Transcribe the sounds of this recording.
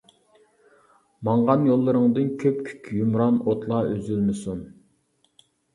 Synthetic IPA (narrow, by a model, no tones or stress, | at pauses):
mɑɴʁɑnjolˠːɨɾəŋd̪ɨnkʲʰøpkʲʰy̥kʲʰjumɾɑnot̪ʰlˠɑʔyzylmɪsun